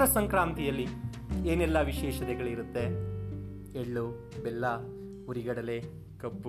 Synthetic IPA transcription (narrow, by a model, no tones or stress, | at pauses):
ɾɐsɐŋkɾaːmt̪ijɐlːi | eːnɛlːɐʋiʃɛːʃɐt̪ɛɡɐɭiɾut̪ːe̞ | eɭːu | belːɐ | uɾiɡɐɽɐle̞ | kɐpːu